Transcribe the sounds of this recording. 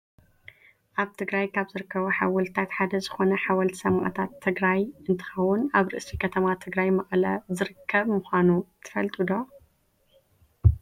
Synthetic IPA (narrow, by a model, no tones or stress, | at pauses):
ʔaβt̪ʰɨɡɾajkʰaβzɨɾɨkʰːɐβuħa̰wɐlt̪ʰat̪ħad̪ɐzɨxo̞nɐħawɐlt̪sɐmaʔt̪ʰat̪ʰːɨɡɾajʔɨnt̪ʰɨ̥xɐwːʊnaβɾɨ̰ʔsikʰɐt̪ʰɐmat̪ʰɨɡɾajmɐχʼlɐzɨɾɨkʰːɐβmɨxʷanut̪ʰɨ̥fɐlt̪ʼɨd̪o